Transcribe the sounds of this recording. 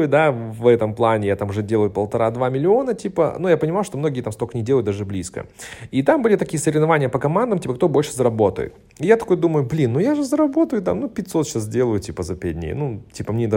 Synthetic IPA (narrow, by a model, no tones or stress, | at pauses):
jʊd̪avɛt̪əmplˠanʲɪjat̪amʊʐɛdʲe̞lˠəjʊpəlˠt̪ɐɾad̪vamʲɪlʲɪo̞nətʲipə̰nujapənʲɪmajʊʂt̪o̞mno̞ɡʲɪːt̪amst̪oknʲɪdʲelˠəjt̪d̪aʐɨblʲiskə̰it̪ambɨlʲɪt̪ɐkʲijəsəɾʲɪvnɐvanʲɪjəpəkɐmand̪əmtʲipək̚t̪o̞bo̞lʲʂɨzəɾɐbo̞t̪ə̰jɪ̰t̪ | ɪjat̪ɐko̞jʊd̪uməjʊblʲinːujaʐɨzəɾɐbo̞t̪əjʊt̪a̰mnupʲɪtʲso̞t̪ɕaszdʲe̞lˠəjʊtʲipəzɐpʲɛdʲnʲḛːnutʲipəmnʲed̪